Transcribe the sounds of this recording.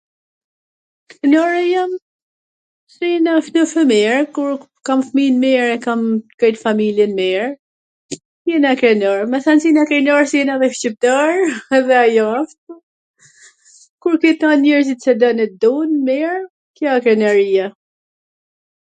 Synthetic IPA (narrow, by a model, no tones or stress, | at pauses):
kɾɛnɔɾɛjam | sinafnəfəmiɹkuɾ | kamfminmɛɹɛkamkɛjt̪familjɛnmɛɹ | sɛnakɾɛnɔɹmɛsansinakɾɛnɔɹsiɛnavɛʃcip̚t̪aɹðɛajɔaft̪ | kuɾkɛt̪anɲɛɾzit̪sɛd̪ɔnɛd̪ɔnmiɹ | kjɔɛkɾɛnɛɾia